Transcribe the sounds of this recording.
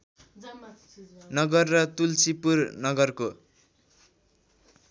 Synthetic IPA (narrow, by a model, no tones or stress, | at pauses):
nʌɡʌrːʌt̪ult͡sipurnʌɡʌrko